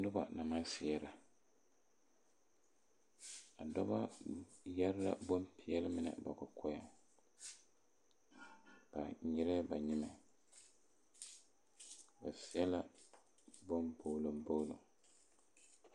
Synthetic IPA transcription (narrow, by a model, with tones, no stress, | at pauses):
dʊ˦ba̰˨na˨ma˦sɪ˨ɛ˦ɾa˨ | a˨dɔ˦ba˦ja˦ɾɾa̰˦bo˦mpi˦ɛ˦lɪ˦mɪ˦nɛ̰˨ba˨kʊ˨kʰɔ˦ja˨ | b̥a˨ɲɛ˦ɾɛ˦ba˨ɲɪ˦mɛ˨ | ba˨sɪ˨˦ɛ˦la˦ | bo˦mbo˨lo˨mbo˦lo̰˨ŋ